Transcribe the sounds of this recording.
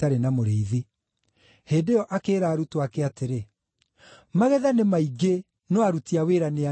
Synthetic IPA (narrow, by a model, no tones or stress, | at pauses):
aɾenamoɾeiði | heːdeɔʔakeːɾaːɾutoakɛateɾe | maɣɛðanemaiɡe | nɔaɾutiaweːɾanea